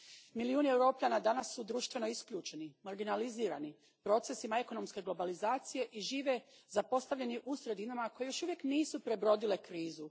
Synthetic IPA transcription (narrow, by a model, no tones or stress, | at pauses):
miliuːnie̞wɾo̞ːpʎʲanad̪anasːud̪ɾuʃt̪ʋe̞no̞iskʎuːt͡ʃe̞nimaɾɡinaliziːɾa̰ni | pɾo̞t̪se̞simae̞ko̞no̞mske̞ɡlˠo̞balizaːt̪sije̞ʔiʒiːʋe̞zapo̞st̪aʋʎe̞niʔusɾe̞d̪inamako̞jejo̞ʃuʋje̞kniːsupɾe̞bɾo̞d̪ile̞kɾiːzu